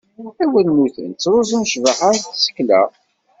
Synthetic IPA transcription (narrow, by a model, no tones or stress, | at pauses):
æwænmuθə̰nt͡sːɾˤʊzunʃvəχaɾθsə̥kːlæ̰